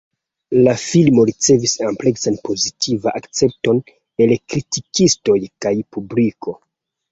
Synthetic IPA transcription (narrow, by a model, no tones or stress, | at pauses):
lafilmo̞ɾit͡se̞visample̞ksanpo̞zitʰivaʔakt͡se̞p̚to̞n | elkɾitikisto̞jkajpubliko̞